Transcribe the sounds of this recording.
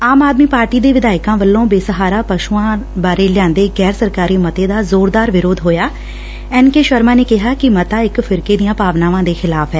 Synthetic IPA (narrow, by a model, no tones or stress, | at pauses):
aːmaːd̪miːpaːɾʈiːd̪eːʋɪd̪aːɪkãːʋəlːõːbeːsəɦaːɾaːpəʃuãːbaːɾeːlɪjãːnd̪eːɡɛːɾsəɾkaːɾiːmət̪eːd̪aːzoːɾd̪aːɾʋɪɾoːd̪ɦoːjaː | ɛːnkeːʃəɾmãːneːkɪɦaːkɪmət̪aːɪkfʰɪɾkeːd̪ijãːpaːʋnaːʋãːd̪eːxɪlaːfɦɛː